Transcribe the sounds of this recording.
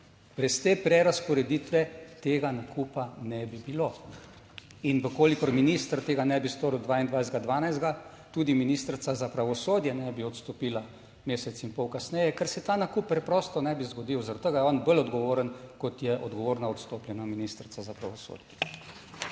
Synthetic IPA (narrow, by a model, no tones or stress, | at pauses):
bɾɛst̪eːpɾɛɾaspɔɾɛd̪it̪ʋɛt̪eːɡanakupanɛbibilo | inʋəkoːlikɔɾminiːst̪əɾt̪eːɡanɛbist̪oːɾwd̪ʋaːind̪ʋajzd̪ɡad̪ʋaːnajzd̪ɡa | t̪uːd̪iminist̪ɾt̪sazapɾaʋɔsoːd̪jɛnɛbiɔt̪st̪ɔpiːla | meːsɛt̪sinpɔwkasnɛjɛkəɾsɛt̪anakupːɾɛpɾɔːst̪ɔnɛbizɡɔd̪iwzaɾad̪t̪ːəɡajɔːnbəlɔd̪ɡɔʋoːɾənkɔt̪jɛʔɔd̪ɡɔʋoːɾnaɔt̪st̪oːplʲjɛnaminist̪ɾt̪sazapɾaʋɔso̰d̪jɛ